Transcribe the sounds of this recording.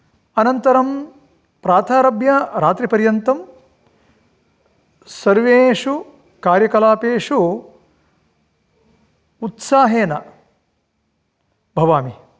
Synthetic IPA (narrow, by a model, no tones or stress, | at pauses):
ɐnɐnt̪ɐɾɐm | pɾaːt̪ʰaːɾɐbjɐɾaːt̪ɾipɐɾjɐnt̪ɐm | sɐɾʋeːʂu | kaːɾjɐkɐlaːpeːʂu | ut̪saːɦeːnɐ | bʱɐʋaːmi